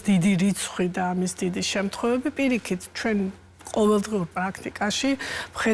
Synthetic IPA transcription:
d̪̥id̪iɾit̪sʰχwid̪aːmisd̪id̪iʃɛmt̪ʰχwɛvɛbipʼiɾikʰit̪ʰt͡ʃʰwɛn | qʼɔvɛlˠd̪ʁiuɾpʼɾakʰt̪ʼikʼaʃivχɛ

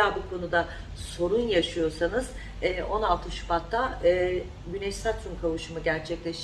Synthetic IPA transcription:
aːbukʰo̞nud̪a | so̞ɾunjaʃɯjo̞ɾsanɯz̥ | ɛːʔo̞nalˠt̪ʰɯʃbat̪ʰːaɯː | ɟynɛʃsat̪sumkʰavɯʃɯmɯɟæɾt͡ʃʰɛclʲeʃ

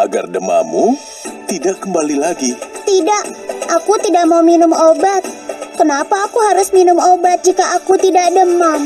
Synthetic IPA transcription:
ʔaɡa̰rdəma̰mu | t̪idaʔkəmbalilaɡit̪idaʔakut̪idak̚mauminʊmobat̪̚kənapaːkuɦaɾʊsminʊmobat̪̚d͡ʒikaʔakut̪idaʔ̚dəma

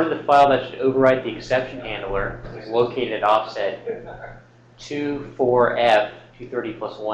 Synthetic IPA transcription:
ɹʌvðɨfaɪlˠðɨtʃɨɾoʊvə˞aɪt̪̚ðiɨksɛpʃɨ̃n̩hæ̃ndˡl̩ˠə˞loʊkʰeɪɾɨɾɨɾɔfsɛt | ʉfɔɹɛftʰʉθɜ˞ɾipʰl̥ʌswʌ̃

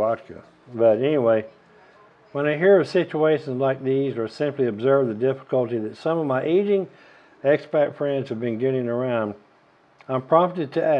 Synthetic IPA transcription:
ɑkɨ̰ | bʌɾɛniweɪ | wə̃ñaɪɦiɹʌv̥sɪt͡ʃueɪʃɨ̃nzlaɪk̚ðizə˞sɪ̃mpliɨbzɜ˞vðɨdɪfə̥kəlˠtiðɨtsʌ̃mʌvmaɪʔeɪd͡ʒɪ̃ŋ | ɛkspætfɹɛ̃ndz̥ɨvbɨ̃nɡɪɾɪ̃ŋə˞ãʊ̃nd | ãɪ̃mpʰɹ̥ɑ̃fəɾɨd̚tʰɨʔæ

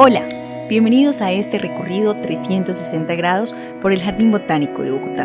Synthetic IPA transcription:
o̞la | bje̞mbe̞nið̞osae̞st̪e̞re̞ko̞riðo̞t̪ɾe̞sje̞nt̪o̞sːese̞nt̪aɣɾað̞o̞s | po̞ɾe̞lxaɾðimbo̞t̪anikoðeβokut̪a̰

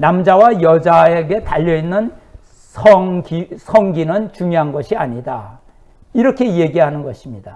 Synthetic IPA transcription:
namd͡ʑawajʌd͡ʑaeɡe̞taʎːʌinːɯn | sʰʌɡisʰʌŋɡinɯnt͡ɕuŋjoɦanɡʌɕʰiaɲida | iɾʌkʰe̞je̞ɡiɦanɯnɡʌɕʰimɲida

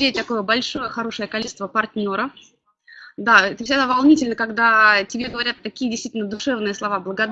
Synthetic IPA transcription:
et̚ʲt̪ɐko̞jəbɐlʲʂo̞jəxɐɾo̞ʂəjəkɐlʲiɪst̪vəpɐrt̪ʲnʲo̞ɾə | d̪aɛt̪fsʲɪɡd̪avɐlˠnʲitʲɪlʲnəkɐɡd̪atʲɪbʲe̞ɡəvɐɾʲat̪ːɐkʲijədʲɪst̪vitʲɪlʲnəd̪ʊʂɛvnɨjəslˠɐvablˠəɡɐd̪

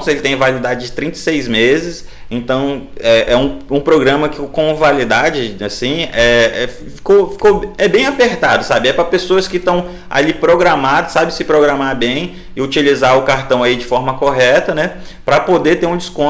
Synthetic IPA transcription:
ʊselɪt̪ẽj̃valid̪ad͡ʒɪd͡ʒɪt̪ɾĩnt̪esejzmezɪs | ẽnt̪ɐ̃w̃ɛʔɛũũpɾoɡɾɐ̃mɐkɪkõvalid̪ad͡ʒɪasĩɛɛ | fi̥kofi̥koɛbẽj̃apeɾt̪ad̪ʊsabɪɛpɾɐpesoɐskɪt̪ɐ̃w̃ | a̰lipɾoɡɾamad̪ʊsabɪsɪpɾoɡɾamaɾbẽj̃ | ɪut͡ʃilizaɾʊkaɾt̪ɐ̃w̃aid͡ʒɪfɔɾmɐkoɦɛt̪ɐnɛ | pɾɐpod̪et̪eɾũd͡ʒɪskõ

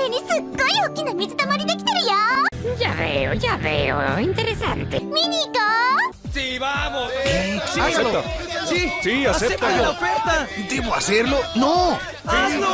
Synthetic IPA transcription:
t̪enisukojokinamit̪et̪amaɾinaki̥t̪eɾjajaβeo̰ʝaβḛo̰int̪eɾesant̪ḛminiko | siβamokesaeot̪a | sisiaseet̪aaofeɾt̪ad̪eβoaseɾlono | ao

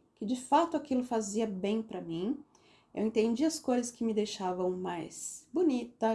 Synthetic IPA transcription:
kɪd͡ʒɪfat̪ʊakilʊfaziɐbẽj̃pɾɐmĩ | ḛwẽnt̪ẽnd͡ʒiɐskojzɐskɪmɪd̪ejʃavɐ̃w̃majsbonit̪ɐ

